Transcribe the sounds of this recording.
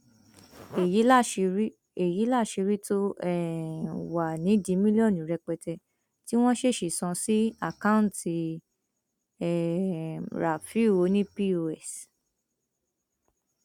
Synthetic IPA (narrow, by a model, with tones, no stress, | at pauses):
e˨ji˨˦lʃɾi˦ | e˨ji˨˦la˦˨ʃi˧ɾi˦to˦ɛ˦˨wa˨nĩ˨˦dĩ˨˦mĩ˦li˦ɔ˦˨nĩ˨˦ɾɛ˧k͡pɛ˧tɛ˧ | ti˦w̃ɔ̃˦ʃe˦˨ʃi˨sɔ̃˧si˦a˦˨kã˦˨ti˧ | ɛ˦˨ | ɾa˨fi˦˨o˨˧˦nĩ˦pi˦o˧ɛ˨s